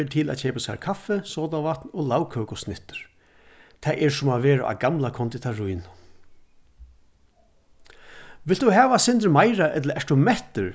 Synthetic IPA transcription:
t̪ʰɪlæ̰t͡ʃʰɛːpasɛ̰ːkʰafːɛsɔːt̪aʋat̪nɔlawkʰøːkʊsnɪht̪ʏɾ̥ | t̪ʰɛjʔɛɹsʊmaʋeːɹa̰ʔa̰ɡamlakʰɔnt̪it̪ʰaɹujn | ʋɪlt̪ʊhɛːʋasɪnt̪əɹmajɾaʔɛt̪ləɛʂʈ̪ʊmɛht̪əɹ

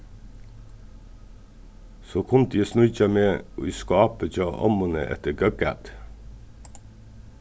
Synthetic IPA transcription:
soːkʰʊnd̪iːsnʉçɑmeːo̰iːskɑːpəd͡ʒɑʔɑ̰mʊnə̰ʔɛ̰t̪əɡœɡæ̰t̪

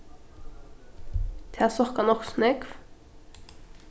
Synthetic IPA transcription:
t̪ʰæːsɔkɑnɔksnʏɡf

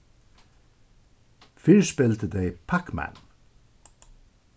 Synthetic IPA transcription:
fɪɹʃpɪlt̪əd̪eɪpʰakmæ̰n

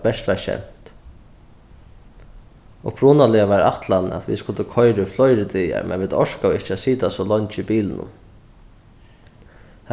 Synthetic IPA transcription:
bɛʂt̪ʋɛɾʃɛ̰m̥t̪ | ɔpʰɾuːnalɪaʋaɾa̰t̪lana̰t̪ʋḭskʊlt̪əkʰɔʏɾʏflɔjɾɪd̪ija̰mɛ̰nʋɪt̪ɔʂkaɪht͡ʃasiːt̪asɔlɔɲt͡ʃibiːlɪnʊ̰m | h

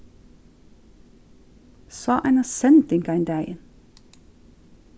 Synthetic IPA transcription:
sɑːʔæ̰nɑsɛnd̪ɪŋkɑɪnd̪æɪən

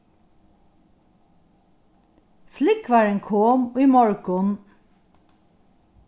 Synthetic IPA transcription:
flɪkʋæːɹeŋkʰoːmoːiːmɔɹkɔm

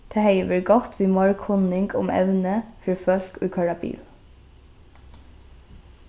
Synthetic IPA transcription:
t̪ʰeheɪʋəɹɡɔt̪ʋiːmɑɹkʰhɔnɪŋɡʊ̰mʔɛ̰ʉnəfœɹfœlkʉːkʰɑɹɑbḭːl

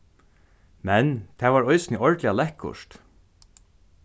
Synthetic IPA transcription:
mɛnt̪ʰæːʋaːɹɔʏsnɪʔɔɹt̪lɪalɛhkʊ̰ʂt̪

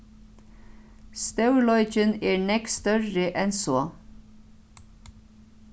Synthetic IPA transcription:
st̪œwlɔʏt͡ʃɪnɛːɹnɛkst̪œɹːɪʔɛnsɔː

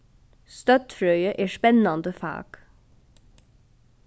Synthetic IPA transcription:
st̪ɑt̪fɾœʏəʔeːʃpɛnɑnd̪əfɑ̰ːɡ̥

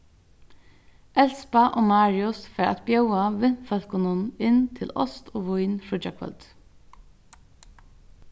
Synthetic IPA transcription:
ʔɛlspaʔoːmɑːɹɪʊsfæːɹa̰t̪bjœʊwaʋɪnfœl̥kʊnʊnɪnt̪ʰɪlɔ̰st̪oːʋʊjnfɹɔd͡ʒɑkʰʋœ̰lt̪

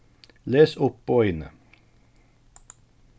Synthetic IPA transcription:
leːsʊppoːʏnə̰

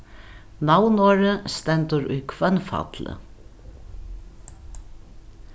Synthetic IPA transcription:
nawnoːɾəst̪ɛnt̪ʊɾʊjkʰvœnfa̰t̪lə̰

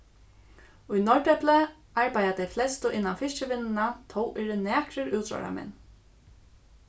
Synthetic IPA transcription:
ʊjnɔɹʈɛplɛ | aɹpaj̪at̪ɛjflɛst̪ʊʔɪnːanfɪʃt͡ʃɪʋɪnːɪnat̪ʰɔwʔɛːɹɪnæːkɾɪɾuwt̪ɾɔ̰ɹa̰mɛ̰nː

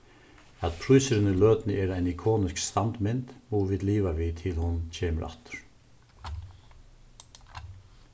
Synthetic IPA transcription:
at̪pʰɾujsɪɾɪnɪlœːt̪nɪʔɛːɾajnikʰoːnɪskst̪ant̪mɪnt̪muːʋɪːd̪liːʋaʋɪt̪ʰɪlhʊncʰeːməɾʔa̰ht̪ʏ̥ɾ̥

